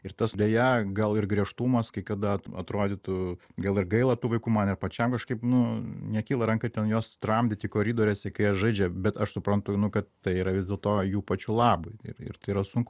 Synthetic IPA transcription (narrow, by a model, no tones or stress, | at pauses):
ɪɾt̪ɐsd̪ʲeːjɛɡɐlˠɪrɡɾʲiɛʃt̪umɐskɐɪkɐd̪ɐɐɐ̰t̪ɾoːd̪ʲɪt̪ʊɡɐlˠɪrɡɐɪlˠɐt̪uːʋɐɪkuːmɐnɪrpɐt͡ʃʲɛmkɐʃkɐɪpnʊnʲɛkʲiːlˠɐɾɐŋkɐɪt̪ʲɛnjoːst̪rɐmʲd̪ʲɪt̪ʲikoːɾʲiːd̪oːɾʲɛːsʲɛkɐɪɛʒɐɪd͡ʒʲɛbʲɛt̪ɐʃsʊpɾɐnt̪ʊnʊkɐt̪t̪ɐɪiːɾɐʋʲɪzʲdʲeːlˠt̪oːjuːpɐt͡ʃʲulˠɑːbʊɪ̰rɪ̰rt̪ɐɪiɾɐsʊŋkʊ